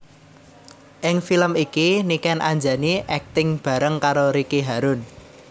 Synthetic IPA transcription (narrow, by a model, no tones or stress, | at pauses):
ʔɪŋfiləmikinikɛnʔaɲd͡ʒaniʔɛk̚t̪ɪŋb̥ä̤ɾəŋkaɾoɾikiɦaɾʊn